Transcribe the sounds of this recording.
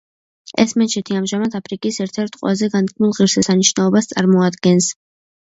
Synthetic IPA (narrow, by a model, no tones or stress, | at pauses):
ɛ̰smɛt͡ʃʰɛt̪ʰiamʒamad̪ʰapʰɾikʼisɛɾt̪ʰɛɾt̪ʰqʼwɛ̰lazɛɡand̪̚kʰmulˠʁiɾsɛsaniʃnaɔbast̪sʼa̰ɾmɔad̪ɡɛns